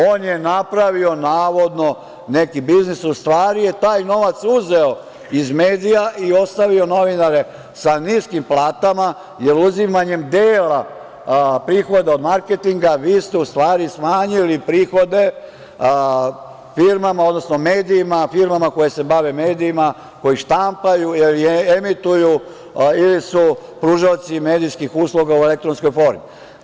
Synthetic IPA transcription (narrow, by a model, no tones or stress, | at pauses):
o̞ːnje̞napɾaʋio̞naːʋo̞d̪no̞ | ne̞kibiznisust̪ʋaːɾije̞t̪aːjno̞ʋat̪suzeo | izmeːd̪ijaʔio̞st̪aʋio̞no̞ʋinaɾe̞ | saniːskimplaːt̪ama | jeɾuzimaɲe̞md̪eːla | pɾiːxo̞d̪eo̞d̪maɾket̪iŋɡaʋiːst̪eust̪ʋaːɾismaːɲilipɾiːxo̞d̪e̞ | fiɾmamaod̪no̞snomeːd̪iːmafiɾmamako̞jese̞baʋeme̞ːd̪iːma | ko̞jiʃt̪ampajuiliemit̪uju | ilisupɾuʒaot̪sime̞ːd̪iskixuːslˠuɡaue̞lek̚t̪ɾonsko̞jfo̞ːɾmi